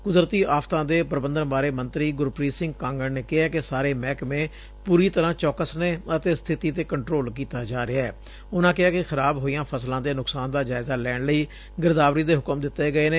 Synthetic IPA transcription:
kʊd̪ɾət̪iːʔaːfʰt̪ãːd̪eːpɾəbənd̪ənbaːɾeːmənt̪ɾiːɡʊɾpɾiːsɪ̃ŋɡkãːŋɡənneːkɪɦaːkɪsaːɾeːmɛːkmẽː | puːɾiːt̪əɾãːt͡ʃɔːkəsneːət̪eːst̪ʰɪt̪iːt̪eːkəɳʈɾoːlkiːt̪aːd͡ʒaːɾɪaɛː | ʊnãːkɪɦaːkɪxəɾaːbɦoːijãːpʰəslãːd̪eːnʊksaːnd̪aːd͡ʒaːɪzaːlɛːɳləiː | ɡɪɾd̪aːʋɾiːd̪eːɦʊkəmd̪ɪt̪ːeːɡəeːneː

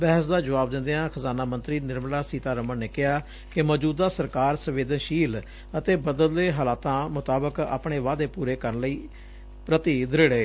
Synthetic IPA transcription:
bɛːɦəs̬d̪aːd͡ʒəʋaːb̚d̪ɪ̃nd̪eãːkʰəzaːnaːmənt̪ɾiːnɪɾmlaːsiːt̪aːɾəmənnːeːkɪɦaː | kɪmɔːd͡ʒuːd̪aːsəɾkaːɾsəʋeːd̪ənʃiːl | ət̪eːbəd̪əld̪eːɦaːlaːt̪ãːmʊt̪aːbəka̰ːpɳeːʋaːd̪eːpuːɾeːkəɾənləiː | pɾət̪iːd̪ɪɾeːɽeː

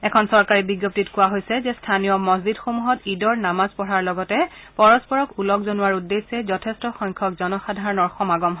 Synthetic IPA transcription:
ɛkʰɔnsɔɹkaɹibiɡjop̚titkʊwaɦojsɛzɛstʰanijɔmɔzidxomuɦɔtidɔɹnamazpɔɹaɹlɔɡɔtɛpɔɹɔspɔɹɔkulɔkzonuwaɹudːesɛzɔtʰestɔxɔŋkʰɔkzɔnɔxadʱaɹɔnɔɹxɔmaɡɔmɦ

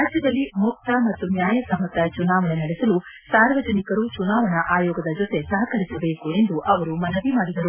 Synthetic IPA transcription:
aːd͡ʒjɐd̪ɐlːimuk̚t̪ɐmɐt̪ːunjaːjɐsɐmɐt̪ːɐt͡ʃunaːʋɐɳenɐɽesɐlusaːɾʋɐd͡ʒɐnikɐɾut͡ʃunaːʋɐɳɐʔaːjɔːɡɐd̪ɐd͡ʒot̪e̞sɐɦɐkɐɾisɐbe̞ːkue̞nd̪uʔɐʋɐɾumɐnɐʋ̪imaːɽid̪ɐɾu

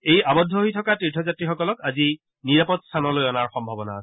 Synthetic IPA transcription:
ejabɔdʱːɔɦojtʰɔkatɹitʰɔzatɹixɔkɔlɔkazi | niɹapɔtstʰanɔlojɔnaɹxɔmbʱabɔna̰ːsɛ

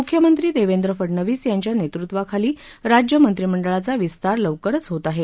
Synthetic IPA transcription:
ukʰːjəmənt̪ɾiːd̪eʋend̪ɾəfəɽɳəʋiːsjaɲt͡ɕjanet̪ɾut̪ʋakʰaliː | ɾad͡ʑjəmənt̪ɾiməɳɖəɭat͡saʋist̪aɾləʋkəɾət͡sɦot̪aɦe

